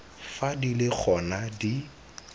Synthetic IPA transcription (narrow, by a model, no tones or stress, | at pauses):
fadilɪk͡xʰɔnadi